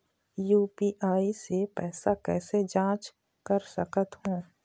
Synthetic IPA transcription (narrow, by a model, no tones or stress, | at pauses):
juːpiːʔaːisepɛːsakɛ̰ːsed͡ʒãːt͡ʃ | kəɾsəkət̪hõː